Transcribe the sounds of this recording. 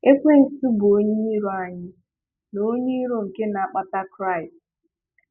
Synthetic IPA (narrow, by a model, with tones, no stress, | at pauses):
e˦kʷe˦n̩˨si˦bʊ˨o˦ɲii˦i˦ɾo˦a˨ɲɪ˦ | no˦ɲe˦ɾo˨ŋ̩˨ke˦na˨a˨k͡pa˦ta˦kɾa˦˨ɪ˨st